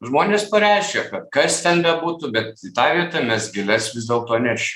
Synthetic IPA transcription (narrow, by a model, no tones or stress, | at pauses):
ʒmoːnʲeːspɐɾʲæɪʃʲkʲɛkɐt̪kɐst̪ʲɛnbʲɛbuːt̪ʊbʲɛt̪ɪt̪ɑːʋʲiɛt̪ɐmʲɛsɡʲɪlʲɛsʋʲɪzʲd̪ʲeːlˠt̪oːnʲæʃʲɪm